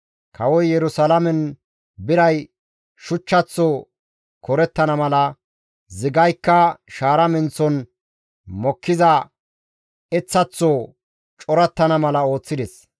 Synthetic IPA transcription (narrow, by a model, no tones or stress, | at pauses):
kʰɐwɔjjɛɾʊsɐlɐmɛn | bɪɾɐj | ʃʊt͡ʃːɐt͡sːɔ | kɔɾɛt̪ːɐnɐmɐlɐ | zɪɡɐjkːɐʃaːɾɐmɪnt͡sːɔn | mɔkːɪzɐ | ɛt͡sːɐt͡sːɔ | t͡ʃʼɔɾɐt̪ːɐnɐmɐlɐo̞ːt͡sːɪd̪ɛs